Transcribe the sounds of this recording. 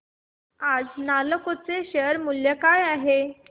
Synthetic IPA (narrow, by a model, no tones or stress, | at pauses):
ad͡znaləkot͡seɕəɾmuljəkajaɦe